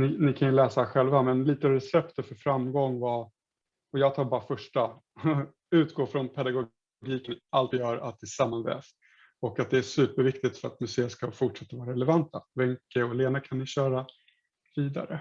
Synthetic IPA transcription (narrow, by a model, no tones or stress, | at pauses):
nɪnɪkʰanjɵlɛːsahæɧɛlvamɛnliːt̪əɾɛsɛpt̪əfœɾfɾamːɡɔŋːva | ɔjɑːɡt̪ʰɑːɾbɑːɾafœʂʈːa | ʉ̟ːt̪ɡoːfɾɔnpʰɛd̪aɡʊ | ɡiːkənalt̪jœːɾa̰t̪̚d̪ɛsamːanvɛ̰ːst̪ | ɔkat̪̚d̪ɛæʂʉ̟ːpəɾvɪkt̪ɪt̪fœɾa̰t̪mɵseːəskafʊʈʂɛt̪ːavɑːɾaɾɛlɛvant̪ːavɛŋkːəɔleːnakʰanːɪɕœːɾa | viːd̪a̰ɾə̰